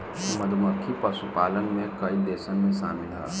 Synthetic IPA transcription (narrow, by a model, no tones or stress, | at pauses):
məd̪ʱməkʰipəsupalənmekəid̪esənmesa̰milɦə̰